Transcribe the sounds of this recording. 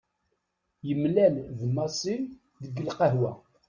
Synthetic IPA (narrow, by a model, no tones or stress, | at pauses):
jəmlælðmɑsˤim | ðəɡːəlqəɦwæ